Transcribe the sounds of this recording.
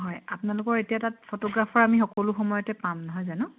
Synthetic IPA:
ɦɔjapʊnalʊkɔɹetijatatpʰotɔɡɹapʰɔɹamixɔkɔlʊxɔmɔjɔtɛpamnɔɦɔjzanʊ

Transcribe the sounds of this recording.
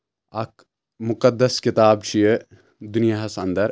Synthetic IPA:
ɐk | mʊkɐd̪ːɐskɪt̪aːbt͡ʃʰijə | d̪unijaːɦɐsɐnd̪ɐɾ

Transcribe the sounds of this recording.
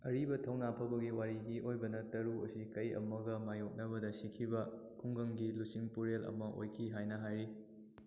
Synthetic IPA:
ɐɾibɐtʰɐwnapʰɐbɐɡiwaɾiɡiʔojbɐnɐtɐɾuo̰sikɐjɐ̰mɐɡɐmajok̚nɐbɐdɐsikʰibɐkʰuŋɡɐŋɡilusiŋpuɾelɐ̰mɐʔo̰jkʰiɦajnɐɦajɾi

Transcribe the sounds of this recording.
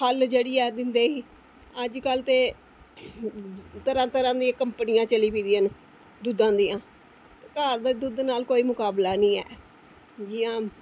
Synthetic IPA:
həld͡ʒeːɽiːɛːd̪ɪnd̪eːiː | əd͡ʒkəlt̪eː | t̪əɾãːt̪əɾãːd̪iãːkəmpənɪjãːt͡ʃəliːpiːd̪iːən | d̪ud̪ãːd̪iːãː | t̪ːkaːɾd̪aːd̪ud̪naːlkoːiːmʊkaːblaːnĩːɛ̰ː | d͡ʒɪjãː

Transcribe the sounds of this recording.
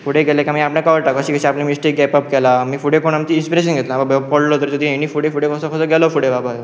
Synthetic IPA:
fuɽekɛlekjãmiːapɳãkaʋəɾʈakəɕiːkəɕĩaplemisʈik̚ɡɛpəp̚kɛlamiːfuɽekoɳamt͡ɕiːnspiɾeɕənɡʱet̪lababapɔɽlot̪əɾt̪ud̪ʱĩɦeñiːfuʈefuɽekɔsɔfəsəɡɛlofuɽebaba

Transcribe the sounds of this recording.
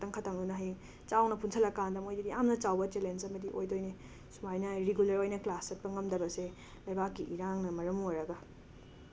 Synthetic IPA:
tɐŋkʰɐtʰaŋdunɐɦe | t͡ʃawnɐpʰunsʰɐlɐkandɐmojdɐdiamnɐt͡ʃawbɐt͡ʃelensɐmɐdiʔojdojne | sumajnɐɾeɡulɐɾojnɐklasɐt̚pɐŋɐmdɐbɐse | lɐjbakːiʔiɾaŋnɐmɐɾɐmuoɾɐɡɐ

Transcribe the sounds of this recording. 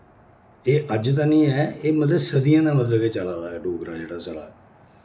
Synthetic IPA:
eːʔəd͡ʒt̪̬ãːnĩːɛːeːmət̪ləbsəd̪ijãːd̪aːmət̪̬ləɡeːt͡ʃalaːlaːɛːɖoːkɾaːd͡ʒeːɽaːsəɽa̰ːɛː

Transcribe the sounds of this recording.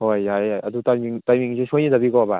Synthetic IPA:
hojːajajɐdutajmiŋtajmiŋsʰesʰojnidɐbikɔba̰

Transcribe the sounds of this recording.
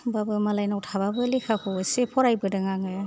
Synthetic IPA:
babɯmalajnawtʰaβabɯlikʰakʰɔɯsepʰɔɾajbɯdɯŋaŋɯ

